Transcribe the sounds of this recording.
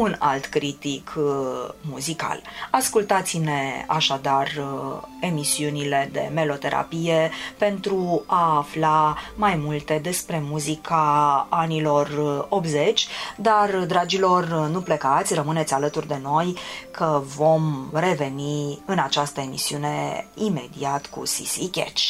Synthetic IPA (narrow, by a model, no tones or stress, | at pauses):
una̰lt̪kɾit̪ikʰ | muzika̰laskult̪at̪sʲine̞a̰ʃad̪ar | e̞misiunile̞d̪e̞̰me̞lo̞t̪e̞ɾʔa̰pije̞pe̞nt̪ɾuaːflamajmult̪e̞d̪e̞spɾe̞muzikʰaanilo̞rop̪ze̞t͡ʃʲd̪ard̪ɾad͡ʒilo̞rnuplekat̪sʲrəmɨne̞t̪sʲalət̪urd̪e̞no̞jkʰəvo̞mre̞ve̞niɨnat͡ʃast̪əe̞misiune̞ime̞d̪ḭat̪kṵsḭsikʲḛt͡ʃ